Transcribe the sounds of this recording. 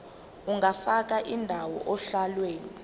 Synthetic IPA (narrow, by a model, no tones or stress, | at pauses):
uŋafak̬aʔindʱawɔ̰ʔɔɬalweːni